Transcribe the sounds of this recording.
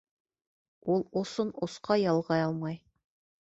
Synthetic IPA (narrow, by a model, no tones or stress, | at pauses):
ulˠŏsonŏsqɑjɑlˠʁɑjɑlˠmɑj